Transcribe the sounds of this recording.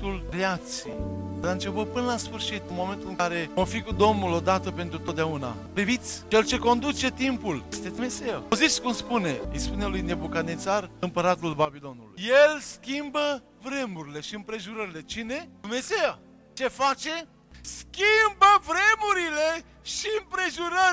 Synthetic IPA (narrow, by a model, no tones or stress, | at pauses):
t̪ulreat̪siḛjɾaɨnt͡ʃepəpɨnəlasfɨrʃit̪ɨnmo̞me̞nt̪ulɨŋkaɾe̞ofikud̪o̞mnulo̞d̪at̪əpe̞nt̪ɾut̪ot̪d̪eauna̰ | pɾivit̪sʲt͡ʃelt͡ʃe̞ko̞nd̪ut͡ʃe̞t̪impuljest̪ed̪umeseazit̪sʲkumspune̞əjspune̞lujne̞bukanit̪sarɨmpəɾat̪ulbabilo̞nulṵjjelskʲimbə | vɾe̞muɾile̞ʃiɨmpɾe̞ʒuɾəɾile̞t͡ʃine̞d̪umne̞seja | t͡ʃe̞fat͡ʃe̞ | skʲimbəvɾe̞muɾile | ʃiɨmpɾe̞ʒuɾə